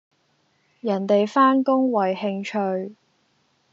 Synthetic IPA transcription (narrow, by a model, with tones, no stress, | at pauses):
jɐ˨˩nt̪e˨jfaː˥nkʊ˥ŋwɐ˨˩jhɪ˧ŋt͡ʃʰɵ˧ɥ